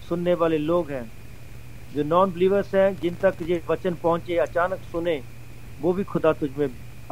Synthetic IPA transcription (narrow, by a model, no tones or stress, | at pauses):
sʊnːeʋaːleloːɡɦɛ̃ː | d͡ʒoːnɔːnbɪliːʋəɾsɦɛ̃ːd͡ʒɪnt̪ɐkjeʋɐt͡ʃənpɐɦʊ̃t͡ʃeɐt͡ʃaːnəksʊnẽː | ʋoːbʱixʊd̪at̪ʊd͡ʒʱmẽ